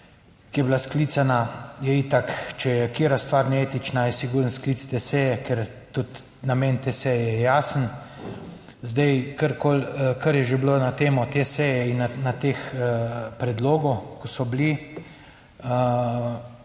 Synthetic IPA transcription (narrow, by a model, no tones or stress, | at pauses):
kijɛblaskliːt̪sanajɛit̪akt͡ʃɛjɛkeːɾast̪ʋaːɾnɛeːt̪it͡ʃnajɛsiɡuːɾənsklit̪st̪esɛjɛkɛɾ | t̪ut̪ | nameːnt̪esɛjɛɛjɛjaːsən | zd̪ɛjkəɾkʰoːlkəɾjɛʒebloːnat̪eːmɔt̪esɛjɛinanat̪eːx | pɾɛd̪loːɡɔkɔsɔbli | ə